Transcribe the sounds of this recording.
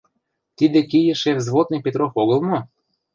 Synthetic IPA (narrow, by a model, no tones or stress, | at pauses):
t̪id̪ekijə̆ʃevzβot̪nɨpʲet̪ɾofoɣəlˠmo